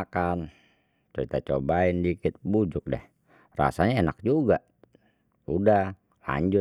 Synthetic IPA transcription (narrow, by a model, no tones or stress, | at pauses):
kan | t͡ʃoit̪at͡ʃobaindikɪt̪̚bud͡ʒʊk̚dɛ̰h | ra̰saɲaenak̚d͡ʒuɡa | udah | la̰ɲd͡ʒʊ